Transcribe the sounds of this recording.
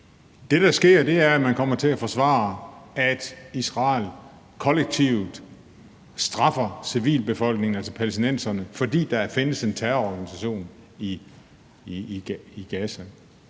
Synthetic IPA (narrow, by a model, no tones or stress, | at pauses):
d̥e̝d̥ɑ̈sɡ̥e̝ɐ̰d̥e̝æɐæmænkʰɒ̽m̰ɐt͡sʰe̝læfɒ̽sʋɑ̰̈ːæd̥isʁɑ̰̈ːl | kʰɒ̽leɡ̥̚t͡sʰiʊd̥ | sd̥ʁɑ̈fɐsiʋḭːlb̥e̝fɒ̽l̰ɡ̥ne̝ŋn̩ælsɐpʰælesd̥inen̰sɐnəfɒ̽d̥ḭːd̥ɑ̈æfe̝nəse̝nt͡sʰæɐɒɡ̥ænisæɕo̝̰ːn | i | iɡ̥æsæ